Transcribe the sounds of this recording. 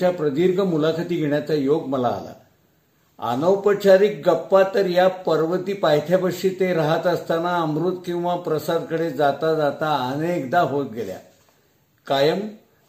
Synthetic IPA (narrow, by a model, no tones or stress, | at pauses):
t͡ɕjapɾəd̪iɾɡʱəmulakʰət̪iːɡʱeɳjat͡sajoɡməla̰ːla̰ | a̰nəwpət͡ɕʰaɾiːk̚ɡəpːat̪əɾjapəɾʋət̪iːpajt̪ʰjabəʂiːt̪eɾaɦət̪əst̪anaəmɾut̪kĩw̃ʋapɾəsad̪kəɽed͡zat̪ad͡zat̪aənekd̪aɦot̪̚ɡelja̰ | kajəm